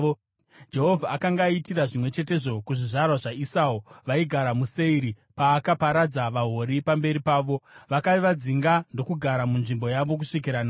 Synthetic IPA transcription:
d͡ʒe̞ɦovʱaakaŋɡaitiɾaʐimwe̞t͡ʃe̞te̞ʐo̞kuʐiʐarwaʐaisaːuʋaiɡʱaɾamuse̞iɾi | paːkapaɾad͡zaʋaɦo̞ɾipambe̞ɾipaːʋo̞ʋakaiʋad͡ziŋɡando̞kuɡʱaɾamunʐimbo̞jaʋo̞k̬uʂik̬iɾana

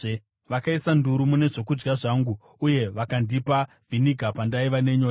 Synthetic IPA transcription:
ʋakaisanduɾumune̞ʐo̞kud͡ʒɡaʐaːŋɡuː | je̞ʋakandipa | vʱiniɡʱapandaiʋane̞ɲo̞ːja

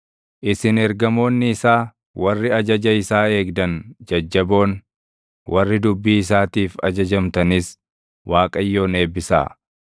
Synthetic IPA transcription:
ʔɪsɪnɛɾɡɐmo̞ːnːɪɪsaː | wɐrːɪɐd͡ʒɐd͡ʒɐɪsaːe̞ːɡd̪ɐnd͡ʒɐd͡ʒːɐbo̞ːn | wʔɐrːɪd̪ʊbːiːɪs̬aːt̪iːfɐ̰d͡ʒɐd͡ʒɐmt̪ɐnɪs | waːkʼɐjːo̞ːne̞ːbːɪsa̰ː

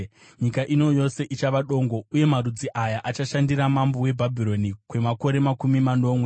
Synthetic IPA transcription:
ɲikaʔino̞jo̞se̞ʔit͡ʃaʋaɗo̞ŋɡo̞uje̞marud͡ziʔajaʔat͡ʃaʃandiramambowe̞bʱabʱiɾo̞nikwe̞mako̞ɾe̞makumimano̞mwe

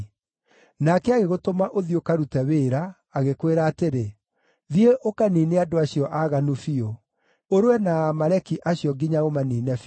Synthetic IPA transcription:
nakɛaɣeɣotomaʔoðjokaɾutɛweːɾaː | ɣekweɾaːteɾe | ðieʔokaniːneadoaɕijɔʔaɣanufio | oɾwɛnamaɾɛkiʔaɕjɔɡiɲaɣomaniːnɛf

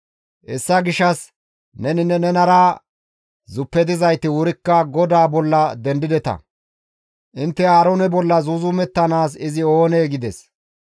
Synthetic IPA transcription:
ʔɛsːɐɡɪʃːɐs | nɛnɪnɛnɛnɐɾaː | zʊpːɛd̪ɪzɐjt̪ːɪwʊɾɪkːɐɡɔd̪aːbɔlːɐd̪ɛnd̪ɪd̪ɛt̪ɐ̰ | ʔɪnt̪ːɛaːɾonɛbɔlːɐzuzʊmɛt̪ːɐnaːsɪzɪo̞ːneːɡɪd̪ɛs

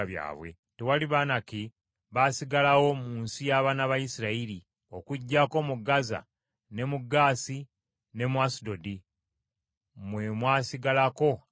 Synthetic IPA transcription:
aβja̰ːβwe̞̰ | tewaliβaːnaki | βasiɡalawo̞muːnsijaβaːnaβajisiɾaili | o̞kuɟːako̞muɡaza̰ | ne̞muɡaːsi | ne̞mwasido̞di | mwe̞mwaːsiɡalako̞

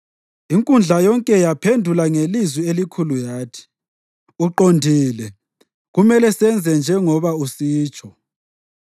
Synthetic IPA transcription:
iŋkʼund͡ɮʱajɔŋkʼɛjapʰendʱulaŋelizwielikʰulujaːtʰi̥ | uǃondʱiːlɛ | ɣumɛlɛsɛnd͡zʱɛnd͡ʒʱɛŋɔβausiːt͡ʃʼʰɔ

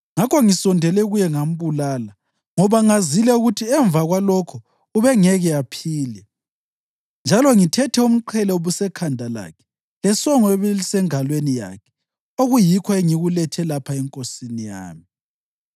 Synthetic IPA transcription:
ŋakʰɔŋisɔndʱɛlɛɣujɛŋam̩βulaːla | ŋɔβaŋazilɛuɣutʰiɛɱb̪vaɣwalɔkʰɔ | uβɛŋɛɣɛapʰiːlɛ | nd͡ʒʱalɔŋitʰɛtʰɛum̩ǃʰɛlɛuβusɛkʰandʱala̰ːkʰɛ̥ | lɛsɔŋɔeβɛlisɛŋalwenija̰kʰɛ̥ | oɣujikʰɔeŋiɣulɛtʰɛlapʰaɛŋkʼosinija̰ːmi

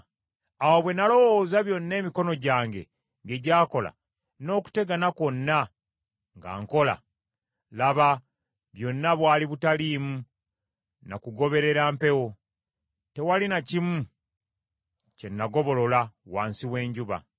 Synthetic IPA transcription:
awaβwe̞nalo̞woːzaβjo̞nːe̞ːmiko̞no̞ɟaːŋɡe̞̰ | ɡe̞ɟaːko̞la̰ | no̞ːku̥te̞ɡanako̞nːa | ŋɡa̰ːŋko̞la̰ | laβa | βjo̞nːaβwaːliβutaliːmu | nakuɡo̞βe̞ɾe̞ɾaːmpe̞wo̞ | te̞walinacimu | ce̞nːaɡo̞βo̞lo̞lawa̰ːnsiwe̞ːɲɟuβa̰

